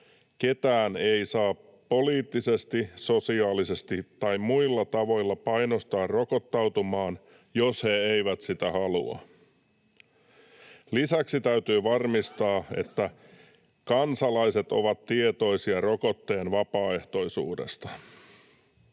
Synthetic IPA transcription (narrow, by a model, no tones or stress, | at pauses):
ke̞t̪æːne̞jsɑːpː | o̞liːt̪ːise̞st̪iso̞siɑːlise̞st̪it̪ɑjmmuilːɑt̪ɑʋo̞jlːɑpɑjnost̪ɑːrro̞ko̞t̪ːɑwt̪umɑːn | jo̞she̞ejʋæt̪sit̪æhɑlṵɑ̰ | lisæksit̪æyt̪yːʋɑrmist̪ɑːe̞̰t̪ːæ | kɑnsɑlɑjse̞t̪o̞̰ʋɑt̪tːie̞t̪o̞jsiɑro̞ko̞t̪ːe̞ːnʋɑpɑːe̞ht̪o̞jsṵːdḛst̪ɑ